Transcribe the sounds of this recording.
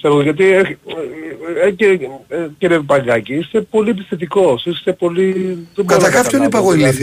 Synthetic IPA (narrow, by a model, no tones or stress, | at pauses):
seɾoɣoʝɐt̪̬ie | ceceɾevipɐŋɡɐciist̪e̞po̞liep̬isθet̪̬iko̞sist̪e̞po̞lit̪okɐt̪ɐkɐpçonipɐɣoimiθi